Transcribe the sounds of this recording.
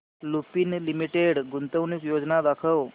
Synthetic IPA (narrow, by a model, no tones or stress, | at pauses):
lupiːnlimiʈeɽɡunt̪əwniːkjod͡znad̪akʰəw